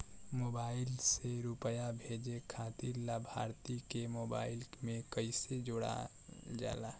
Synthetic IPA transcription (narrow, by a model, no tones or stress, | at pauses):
moːbaːɪlseɾupəjabʱed͡ʒekʰat̪iɾlabʱa̰ɾt̪ikemoba̰ːɪlmẽkəɪsed͡ʒoɽa̰ | d͡ʒa̰la